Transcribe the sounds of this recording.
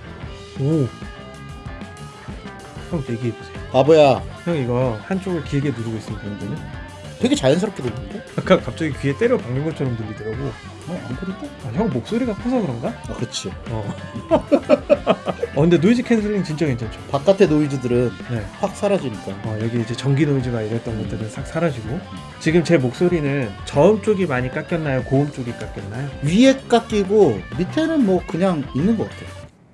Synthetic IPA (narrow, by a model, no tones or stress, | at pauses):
o | çʰʌŋteɡiebosiokabʌjaçjʌŋiɡʌhant͡ɕ͈oɡɯɭkiɦeɡenuɾɯɡois͈ɯmik͈adenɯn | tweɡe̞t͡ɕajɯns̬ʰɯɾʌk͈ʰedendek͈ak͈ap̚t͡ɕ͈aɡikɯe̞t͈e̞ɾjopaŋɡjoŋɡʌt͡ɕʰʌɾʌmtɯʎːidʌɾaɡo | maa̰nkʰodit͈eaçjʌŋmok̚s͈oɾiɡakʰʌsʰʌkɯɾʌnɡaakɯt͡ɕʰiʌ | ʌkɯnde̞noid͡ʑikʰensʰɯɭːiŋt͡ɕint͡ɕ͈ʌɡend͡ʑʰent͡ɕʰo̥pak͈atʰenoid͡ʑidɯɾɯnne̞ɸwak̚s͈ʰaɾad͡ʑiɲik͈aʌjʌɡiːd͡ʑe̞t͡ɕʌŋɡinoid͡ʑimaɲiɾet͈ʌnɡʌt͈ɯɾɯnsʰak̚s͈ʰaɾad͡ʑiɡo | t͡ɕiɡɯmt͡ɕe̞mok̚s͈oɾinɯnt͡ɕʌɯmt͡ɕ͈oɡimaɲik͈ak͈jʌnːajokoɯmt͡ɕ͈oɡik͈ak͈jʌnːajoɥiek͈ak͈iɡomitʰenɯnmwʌkɯɲaŋinːɯnɡʌk͈atʰe̞jo